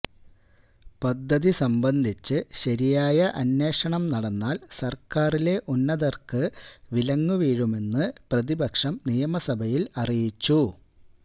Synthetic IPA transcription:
pɐd̪ʱːɐðisɐmbɐnd̪ʱit͡ɕːɨɕɐɾijaːjɐʔɐnːe̞ːʂɐɳɐmnɐɽɐnːaːlsɐrkaːrile̞ʔunːɐðɐrkɨʋilɐŋːuʋiːɻume̞nːɨprɐðibɐkʂɐmnijɐmɐsɐbʱɐjilɐrijit͡ɕːu

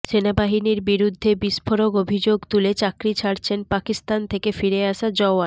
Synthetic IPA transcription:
ʃenabaɦiniɾbiɾud̪ʱːebiʃfʰoɾoɡobʱid͡ʑoɡt̪ulet͡ɕakɾit͡ɕʰaɾt͡ɕʰenpakist̪ant̪ʰekefiɾeaʃad͡ʑɔoa

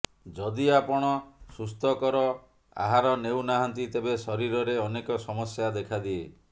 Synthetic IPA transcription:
d͡ʒɔd̪iapɔɽ̃ɔsust̪ʰɔkɔɾɔ | a̰ɦaɾɔnewnaɦɔnt̪it̪ebesɔɾiɾɔɾeɔnekɔsɔmɔsjad̪ekʰad̪ie

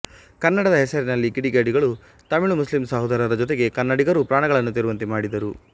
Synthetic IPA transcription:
kɐnːɐɽɐd̪ɐɦɛsɐɾinɐlːiɡiɽiɡaːɖiɡɐɭu | t̪ɐmiɭumuslimsɐɦɐd̪ɐɾɐɾɐd͡ʒɔt̪eɡe̞kɐnːɐɽiɡɐɾupɾaːɳɐɡɐɭɐnːut̪iɾuʋɐnt̪imaːɽid̪ɐɾu

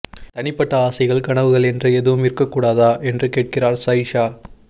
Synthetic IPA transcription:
t̪ɐnɪpːɐʈːɐaːsɐɪɣɐɭkɐɳɐʋɯɣɐɭɛndrɯɛðɯʋɯmɪɾkːɐkːuːɽaːðaːʔɛndrɯkeːʈ̚kɪraːɾsɐjʂaː

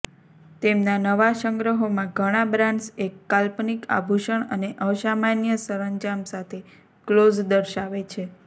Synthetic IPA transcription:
t̪emnanəʋaʃəŋɡɾəɦomãɡʱəɽ̃abɾãnsekːalpnika̰bʱuʃəɳəneʔəʃamanjəsəɾəɲd͡ʒamsat̪ʰe | klod͡ʒd̪əɾʃaʋet͡ʃʰe

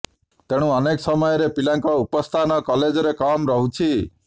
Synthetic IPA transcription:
t̪eɽ̃ũʌneksɔmɔjɔɾepilaŋkɔupɔst̪ʰanɔkɔled͡ʒɔɾekɔmɾɔɦut͡ʃʰi

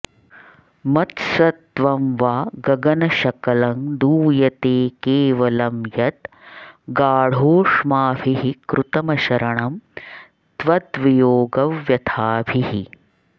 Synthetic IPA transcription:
mɐt̪sɐt̪ːʋɐmʋaːɡɐɡɐnɐʃɐkɐlɐŋd̪uːjɐt̪eːkeːʋɐlɐmjɐt̪ | ɡaːɽ̤oːʂmaːbʱiɦikɾʔut̪ɐmɐʃɐɾɐɳɐm | t̪ʋɐd̪ʋijoːɡɐʋjɐt̪ʰaːbʱihi

